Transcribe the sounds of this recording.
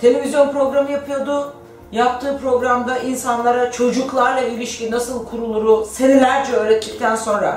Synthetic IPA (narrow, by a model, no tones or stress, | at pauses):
t̪ʰe̞lʲe̞vʲizʲjo̞npɾo̞ɡɾamɯjapʰɯjod̪ʊ | jap̚t̪ʰɯːpɾo̞ɡɾamd̪aʔinsanlˠaɾat͡ʃʰo̞d͡ʒuklˠaɾlˠailʲiʃcinasɯlˠkʰuɾulˠuɾʊse̞nilʲæɾt͡ʃʰɛø̞ːɾɛt̪ʰːicʲt̪ʰænso̞nɾa̰